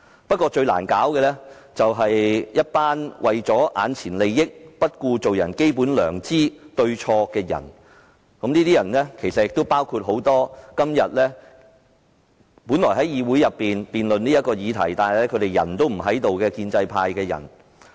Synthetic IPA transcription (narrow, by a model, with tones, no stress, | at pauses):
pɐ˥t̚kɔː˧t͡ʃɵ˧ɥla̰ː˨˩nkaː˨˥wkɛː˧lɛː˥t͡sɐ˨wɦɐ˨jjɐ˥t̚paː˥nwʔɐ˨jt͡sɔː˨˥ʔa̰ː˨˧nt͡sʰiː˨˩nle˨˧jːɪ˥k̚pɐ˥t̚kuː˧t͡so˨wjɐ̰˨˩nke˥jp̬uː˨˥nlœː˨˩ŋt͡siː˥t̪ɵ˧ɥt͡ʃʰɔː˧kɛː˧jɐ̰˨˩n | kɐ˨˥mniː˥t̪iː˥jɐ˨˩nlɛː˥kʰe˨˩jsɐ˨jɪ˨k̚t̪o˥wpaː˥wkʰu˧t̚ɦo˨˥wt̪ɔː˥kɐ˥mjɐ˨t̚lɛː˥ | puː˨˥nlɔː˨˩jɦɐ˨˥jiː˨˧wu˨˥jɐ˨pːiː˨npiː˨˩nlɵ˨nniː˥jɐ˥t̚kɔː˧jiː˨˧t̪ʰɐ̰˨˩jt̪aː˨nɐ˨lɛ˥kʰɵ˨˧ɥɾe˨jɐ̰˨˩nt̪o˥wm̩˨˩ɦɐ˨˥jt̪o˨wkɛː˧kiː˧nt͡sɐ˧jpʰaː˧jkɛː˧jɐ̰˨˩n